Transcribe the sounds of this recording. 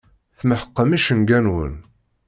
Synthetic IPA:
θməħəqːəmiʃənɡænwə̰n

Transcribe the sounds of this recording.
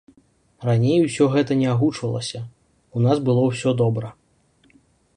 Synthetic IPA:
ranʲejusʲɔɣɛt̪ɐnʲɛaɣut͡ʂvɐlˠɐ̰sʲɐ | unasbɨlˠɔwsʲɔd̪ɔbɾɐ

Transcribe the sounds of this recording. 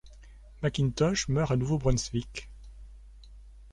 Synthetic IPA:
makʲint̪ɔʃmœʁanuvobʁɔnsvik

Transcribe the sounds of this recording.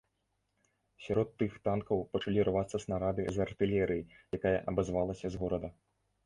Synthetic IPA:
sʲaɾɔt̪ːɨxt̪ankɐwpɐt͡ʂalʲiɾvat̪sːɐsnɐɾad̪ɨzɐrt̪ɨlʲɛɾɨjijakajɐ̰ʔɐbɐzvalˠɐsʲɐzɣɔɾɐd̪ɐ

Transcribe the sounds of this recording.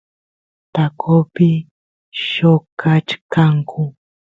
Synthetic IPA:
t̪akʰopɪ | ʃokat͡ʃkaŋkʰʊ

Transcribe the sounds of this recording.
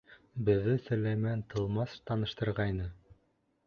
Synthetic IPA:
bɘ̆ðːɘsɵ̆læjmænt̪ʰɤ̆lˠmɑst̪ɑnɤ̆ʃt̪ɤ̆ɾʁɑjnɤ

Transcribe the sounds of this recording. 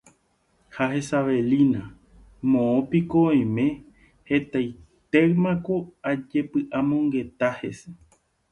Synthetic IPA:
haɦe̞saʋe̞lĩnã | mõõpikõj̃mẽ̞ | he̞t̪ajt̪eɰmãkoad͡ʒepɨʔamõ̞ŋɡe̞t̪ahe̞se

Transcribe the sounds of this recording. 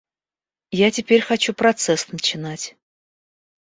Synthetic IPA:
jatʲɪpʲeɾʲxɐt͡ɕupɾɐt̪sɛsnət͡ɕɪnatʲ

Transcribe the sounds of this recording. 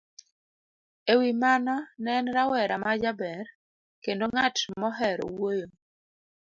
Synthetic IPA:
ewimanɔnɛnɾawɛɾamad͡ʒabɛr | kendoŋatmɔɦɛɾɔ̰wojo

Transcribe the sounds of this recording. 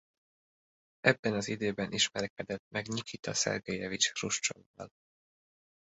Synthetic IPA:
ʔɛbːɛnɒzid̪øːbɛnʔiʃmɛɾɛkɛd̪ɛt̪mɛɡɲikit̪ɒsɛ̰rɡejɛvit͡ʃruʃt͡ʃo̰nːɒ̰l

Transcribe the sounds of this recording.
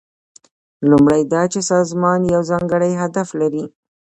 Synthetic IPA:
lumɽajd̪ɑt͡ʃesɑzmɑnjawzɑŋɡəɽajɦad̪aflaɾi

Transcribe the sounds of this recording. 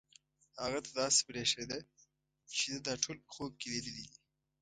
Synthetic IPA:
haɣat̪ad̪ɑːse̥bɾeʂed̪a | t͡ʃed̪ad̪ɑʈʰoːlpə̥xob̚keled̪id̪id̪i

